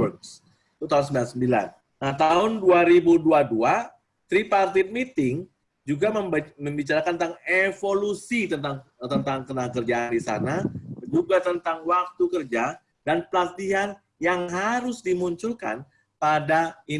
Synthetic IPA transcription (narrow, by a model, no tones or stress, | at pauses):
əks | it̪ut̪aɦʊnsəmbilansəmbila̰n | naht̪aʊnduaɾibuduadua | t̪ɾipart̪it̪̚mit̪ɪŋ | d͡ʒuɡaməməmbit͡ʃaɾakanət̪aŋevolusit̪ət̪aŋt̪ənt̪aŋkənahkərd͡ʒaandisa̰nad͡ʒuɡat̪ənt̪aŋwak̚t̪ukərd͡ʒa | danpəlat̪iɦan | jaŋɦaɾʊsdimuɲt͡ʃʊlka̰n | padai